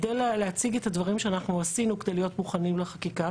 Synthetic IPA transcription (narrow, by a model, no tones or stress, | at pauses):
d̪ejlleat͡siɡet̪hadvaʁimʃeanaχnuasinukede̞jlijo̞t̪muχanimleχakika